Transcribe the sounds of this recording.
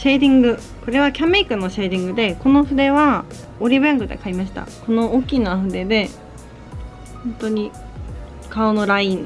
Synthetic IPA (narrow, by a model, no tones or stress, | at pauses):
ɕe̞ːd̪ʲĩŋɡɯ̟ | ko̞ɾe̞βakʲameːkɯ̟nːo̞ɕe̞ːd̪ʲĩŋɡɯ̟d̪e̞ko̞no̞ɸɯ̟d̪e̞βa | oɾʲibɯ̟ãŋɡɯ̟d̪e̞̰kaimaɕi̥t̪a̰ko̞no̞oːkʲːinaːɸɯ̟d̪e̞d̪e̞ | hõ̞nt̪o̞ɲ̟i | kaono̞ɾaĩn